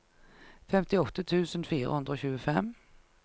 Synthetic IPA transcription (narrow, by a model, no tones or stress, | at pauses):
fɛmt̪ɪɔt̪ːət̪ʰʉːsənfiːɾə̰hʉnd̪ɾəoːçʉːəfɛm